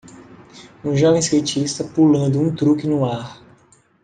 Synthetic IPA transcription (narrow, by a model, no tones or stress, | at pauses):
ũʒɔvẽskejt͡ʃist̪ɐpulɐ̃nd̪ʊũt̪ɾukɪnʊaɾ